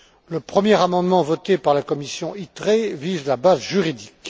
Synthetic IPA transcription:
ləpχəmjɛʁamɑ̃d̪mɑ̃vɔt̪epaʁlakɔmisjɔ̃ʔit̪χevizlabazʒyʁid̪ik

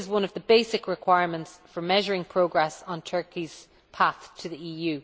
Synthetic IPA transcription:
zwʌ̃nəvðəbeɪsɪkɹɪkʰw̥aɪəɹmə̃ntsfə˞mɛʒəɹɪ̃ŋpʰɹ̥oʊɡɹɛsn̩tʰɜ˞kiz̥ | pʰaθtʰəðiiːjʉ

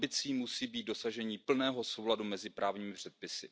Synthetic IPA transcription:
bɪt͡siːmusiːbiːt̪̚do̞saʒɛɲiːpl̩nɛːɦo̞so̞wladumɛzɪpɾʔaːvɲiːmɪpr̝̥ɛt̪̚pɪsɪ̰

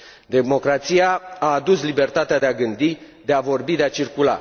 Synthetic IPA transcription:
d̪e̞mo̞kɾat̪sijaaːd̪uslibe̞rt̪at̪ead̪eaɡɨnd̪i | d̪e̞avo̞rbid̪e̞at͡ʃirkula̰

